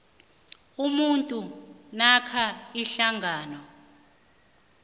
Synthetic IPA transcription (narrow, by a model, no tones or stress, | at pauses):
umuntʼunakʰaiɬaŋʱaːnɔ